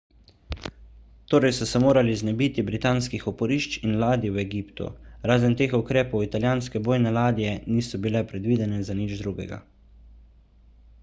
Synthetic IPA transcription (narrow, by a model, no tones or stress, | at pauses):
t̪oːɾɛjsɔsɛmoːɾaliznɛbiːt̪ibɾit̪aːnskixɔpɔɾiːʃt͡ʃinlaːd̪iwɛɡiːpt̪ṵɾaːzənt̪eːxukɾeːpɔwit̪aljaːnskɛboːjnɛlaːd̪ijɛniːsɔbilɛpɾɛd̪ʋiːd̪ɛnɛzanid͡ʒd̪ɾuːɡɛ̰ɡa̰